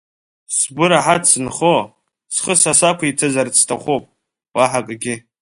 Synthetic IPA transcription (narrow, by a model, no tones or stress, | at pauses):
sbɨɾaħatʰsɨnχo | sχəsasakʷʰaitʰɨzart͡sʰtʰʼa̰χʷopʼ | waħakʼɡʲɪ